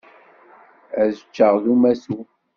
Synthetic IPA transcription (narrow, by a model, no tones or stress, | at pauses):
æzət͡ʃːəʁðumæsu